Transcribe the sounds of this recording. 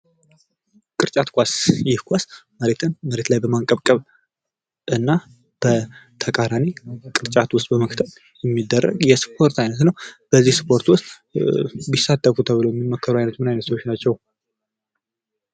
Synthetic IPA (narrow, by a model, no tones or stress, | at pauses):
kʼɨɾt͡ʃʼat̪kʷasjɪhkʷasməɾet̪ʰɨnməɾe̞t̪lajbəmaŋkʼəβkʼəβ | ʔɨnːa | b̥ət̪ʰəkʼaɾanekʼɨɾt͡ʃʼat̪wʊst̪ʼbəməkt̪ʰət̪ | jɛmːid̪ːərːə̰ɡjɛspʰo̞ɾt̪ajnət̪nəwb̥əzːihspʰo̞ɾt̪wʊst̪ʼ | bisat̪ʰːəfut̪ʰəβɨləwjɛmːimːokʰːəɾuajnət̪mɨnajnət̪swot͡ʃːnat͡ʃːɛw